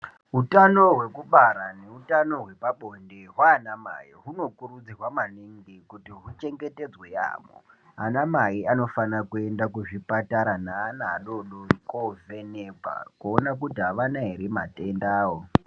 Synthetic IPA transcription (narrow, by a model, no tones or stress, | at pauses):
ɦutano̞ɦwe̞kuɓaɾaneutano̞ɦwe̞paɓo̞ndeɦwaːnama̰jiɦuno̞kuɾud͡zirwamaniŋɡikutiɦut͡ʃe̞ŋɡe̞te̞d͡zweja̰ːmo̰ | a̰namaiano̞fanakue̞ndakuʐipataɾanaːna̰ːɗo̞ɗoikovenebʱa̰kuonak̬utiɦaʋanaɦeɾima̰tendaːwo